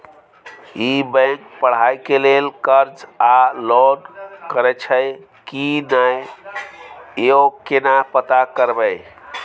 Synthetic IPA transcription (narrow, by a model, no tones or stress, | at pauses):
ibə̃ŋk̚pəɽ̤ajkelelkəɾd͡ʒalɔnkəɾɛt͡ʃʰəj | kinaj | eokenapət̪akəɾbə